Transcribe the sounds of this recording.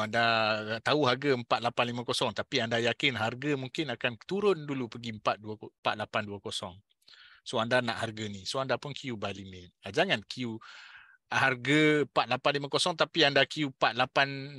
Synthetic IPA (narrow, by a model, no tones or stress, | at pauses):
andat̪auɦarɡəəmpat̪̚lapanlimãkosɔŋt̪apiandajakɪnɦarɡəmuŋkɪnakant̪uɾʊndulupəɡiəmpat̪̚duampat̪̚lapanduakosɔŋ | soandanaʔharɡanisoandapʊnkʰijubalimɪt̪̚ad͡ʒaŋankʰiju | ɦarɡəpat̪̚lapanlimãkosɔŋt̪apiandakijupat̪̚lapan